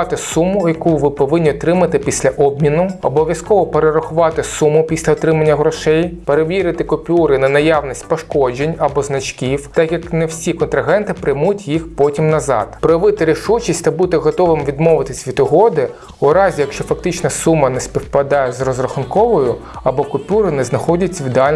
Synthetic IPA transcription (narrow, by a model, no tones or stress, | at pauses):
t̪ɪsumːʊjɐkuʋɪpɔʋɪnʲːiɔt̪ɾɪmɐt̪ɪpʲisʲlʲɐʔɔb̚mʲinʊɔbɔʋʲjɐskɔʋɔpeɾeɾɐxʊʋɑt̪ɪsumːʊpʲisʲlʲɐɔt̪ɾɪmɐnʲːɐɦɾɔʃɛjpeɾeʋʲiɾɪt̪ɪkɔpʲuɾɪnɐnɐjɑʋnisʲtʲpɔʃkɔd͡ʒenʲɐbɔznɐt͡ʃkʲiwt̪ɑkjɐknɛwsʲikɔnt̪ɾɐɦɛnt̪ɪpɾɪmutʲjixpɔtʲimnɐzɑ̰d̪̥pɾɔjʋɪt̪ɪɾʲiʃut͡ʃisʲtʲt̪ɐbut̪ɪɦɔt̪ɔʋɪmʋʲid̪mɔʋɪt̪ɪsʲʋʲit̪ʊɦɔd̪ɪ | ʊɾɑzʲijɐkʃt͡ʃɔfɐk̚t̪ɪt͡ʃnɐsumːɐnɛsʲpʲiwpɐd̪ɑjɛzrɔzrɐxʊnkɔʋɔjʊɐbɔkɔpʲuɾɪnɛznɐxɔdʲɐt͡sʲːɐʋʲid̪eɑlʲ